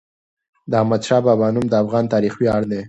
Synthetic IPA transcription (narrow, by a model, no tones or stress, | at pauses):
d̪əahmad̪ʃɑbɑbɑnumd̪əafɣɑnt̪ɑɾixwjɑɽd̪e